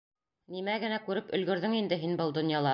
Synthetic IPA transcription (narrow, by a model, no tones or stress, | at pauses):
nimæɡɘ̆nækʉɾɘpɵ̆lɡɵ̆ɾðɵŋind̪ɘɦinbɤlˠd̪ŏnjɑlˠɑ